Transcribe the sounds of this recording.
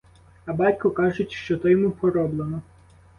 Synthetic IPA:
ɐbɑtʲkʊkɑʒʊtʲʃt͡ʃɔt̪ɔjɔmuxɔɾɔblˠenɔ

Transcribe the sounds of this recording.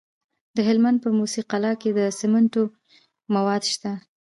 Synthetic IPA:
d̪əɦɪlmand̪̚pəmusiqalɑked̪əsɪmanto | mawɑd̪ʃt̪a

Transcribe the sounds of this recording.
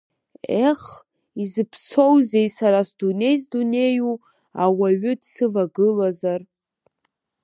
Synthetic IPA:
eχ | izɨpʰsowze̞jsaɾasdune̞jsdune̞ju | awaɥʏdsɨvaɡɨlazar

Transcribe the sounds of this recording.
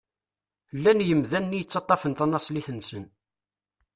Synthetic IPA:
lːænjəmðænːijət͡sːɑt̪ˤːɑfənt̪ɑnːɑsˤliθənsən

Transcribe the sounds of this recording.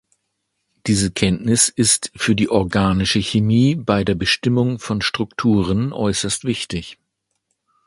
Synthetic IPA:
d̥iːzəkʰɛntnɪsɪstfyːɐdiːʔɔɐɡaːnɪʃəçemiːbaɪdeːɐbəʃtɪmʊŋfɔnʃtʁ̥ʊktʰuːʁ̞ənʔɔʏsɐstv̥ɪçtɪç

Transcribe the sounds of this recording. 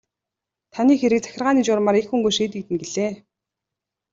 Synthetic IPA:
t̪ʰaniːxeɾɘ̆k̚t͡sʰæ̥xʲɪ̆rʁaːniːt͡ɕʊrmaɾekxuŋɡujʃiːt̪ĭːkt̪ɘ̆nɡeɮeː

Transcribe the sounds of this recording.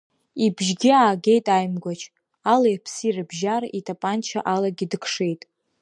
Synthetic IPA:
ibʒɡʲiaːɡʲe̞jtʼajmɡʷat͡ʃʰʼ | alajpʰsirɨbʒaritʰʼapʼant͡ʃʰa̰ʔalaɡʲidɨkʰʂe̞jtʼ

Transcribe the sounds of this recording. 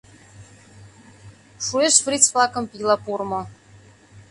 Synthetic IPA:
ʂueʃfɾit͡splˠakɤ̆mpilˠapurmo

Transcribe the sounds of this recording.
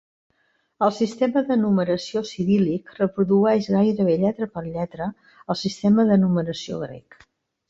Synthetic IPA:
əlˠsist̪eməðənuməɾəsiosiβilikrəpɾuðuɛʒɣajɾəβ̞eʎɛt̪ɾəpəɾʎɛt̪ɾə | əlˠsist̪ɛməðənuməɾəsio̰ɣɾɛ̰k

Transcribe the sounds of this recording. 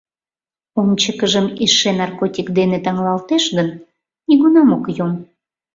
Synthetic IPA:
omt͡ɕəkəʒəmeʃenɑrkotʲikd̪enet̪ɑŋlɑlt̪eʃɣən | niɣunɑmokjom

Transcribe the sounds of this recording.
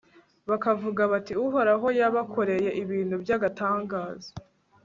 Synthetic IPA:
βakavuɡaβatiuɦoɾaɦo̞jaβakʰo̞ɾe̞je̞ʔiβiːn̥hubjaɡataːŋɡaːzḁ

